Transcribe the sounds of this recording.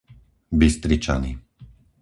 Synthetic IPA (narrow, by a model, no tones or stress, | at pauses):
bist̪ɾit͡ʃa̰ni